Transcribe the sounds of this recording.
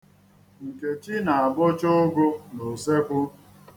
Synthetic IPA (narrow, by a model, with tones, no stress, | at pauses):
ŋ̩˨ke˨t͡ʃi˦na˨a˨bʊ˦t͡ʃʊ˦ɡʊ˦no˨se˦kʷʊ˦